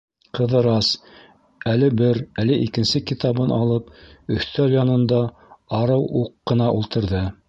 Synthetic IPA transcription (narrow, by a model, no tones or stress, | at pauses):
qɤ̆ðɤ̆ɾɑs | ælɘbɘɾælɘʔikɘ̆nsɘkit̪ɑβɤnʔɑlˠɤpɵ̆θt̪æljɑnɤ̆nd̪ɑ | ɑɾɤwʔuqːɤ̆nɑʔulˠt̪ɤ̆ɾðɤ